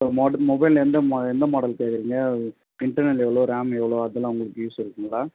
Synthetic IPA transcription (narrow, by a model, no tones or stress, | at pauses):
momɔbɐɪlɛnd̪ɐmɛnd̪ɐmɔːɽɐlkeːkɪɾiːŋɡɐ | ɪɳʈɐɾnɛlɛʋɐɭoːɾaːmɛʋɐɭoːɐðɛlːãːʊŋɡɐɭɯkːɯjuːsɪɾɯkːɯŋɡɐɭaː